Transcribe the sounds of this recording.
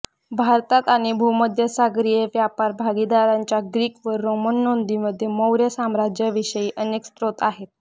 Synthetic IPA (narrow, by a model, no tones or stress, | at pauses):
bʱaɾt̪at̪aɽ̃ibʱuməd̪ʱjəsaɡɾijeʋjapaɾbʱaɡid̪aɾaɲt͡ɕaɡɾiːkʋəɾːomənːond̪iːməd̪ʱːjeməwɾjəsamɾad͡ʑjəʋiɕəjiːʔənekst̪ɾot̪aɦet̪̚